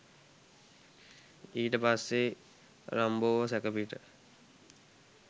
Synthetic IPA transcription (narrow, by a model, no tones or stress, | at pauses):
iːʈəpasːe | ɾamboːʋəsækəpiʈə